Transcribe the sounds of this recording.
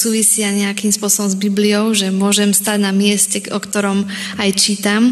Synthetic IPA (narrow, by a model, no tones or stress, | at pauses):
suːʋisɪaɲɛakimspʊɔsɔbɔmzbiblijɔʊʒɛmʊɔʒɛmst̪aɟnamɪɛscɛkɔkt̪ɔɾɔm | ajt͡ʃiːt̪am